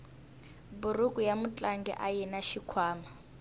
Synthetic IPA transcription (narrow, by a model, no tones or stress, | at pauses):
burukʼujamut͡ɬʼaŋɡɛ̰ʔajɛnaʃikʰwaːma